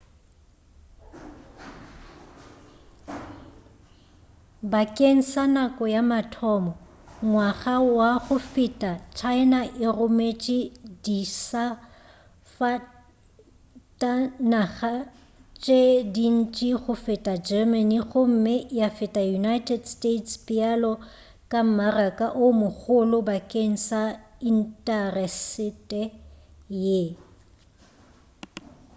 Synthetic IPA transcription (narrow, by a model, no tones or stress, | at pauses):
bakʼeŋ̩sanakʼɔjamatʰɔmɔ | ŋwaɣawaɣʊfitʼat͡ʃʰaɪnaʔɪrʊmet͡ʃʼɪdisa | fa | tʼanaɣa | t͡ʃʼedin̩t͡ʃʼiχʊfɪtʼad͡ʒɛmaniɣʊm̩mɪjafɪtʼajunajtʰʼɛdstʼetʰspʼɪalɔ | kʼam̩marakʼaʔʊmʊɣʊlʊbakʼeŋ̩sain̩tʼɛrɛsɪtʼɛ | je